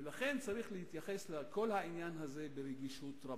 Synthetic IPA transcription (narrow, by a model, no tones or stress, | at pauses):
elaχe̞nt͡saʁiχlehit̪jaχe̞slako̞lhainjanɦaze̞beɾeɡiʃut̪ɾa